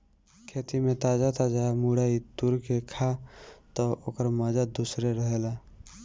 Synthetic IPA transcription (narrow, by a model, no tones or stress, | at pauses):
kʰeːt̪imẽt̪aːd͡ʒat̪ad͡ʒamuɽait̪uɾkekʰat̪ɔokəɾmaːd͡ʒad̪uːsɾeɾəɦelaː